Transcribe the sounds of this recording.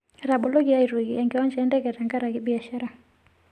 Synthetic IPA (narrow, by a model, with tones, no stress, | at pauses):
ɾabɔ˨lɔ˦ɣi˨a˦iɾu˨ɣiɛŋɡɛwa˦nd͡ʒɛː˦ndɛkɛ˨ɾa˨ŋɡa˦ɾa˨ɣibi˨a˨ʃa˦ɾa˨